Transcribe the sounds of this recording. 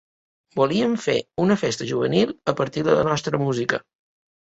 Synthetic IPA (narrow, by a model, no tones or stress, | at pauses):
buliəɱfḛunəfest̪əʒuβ̞ənilˠəpəɾt̪iðələ̰nɔst̪ɾəmuzikə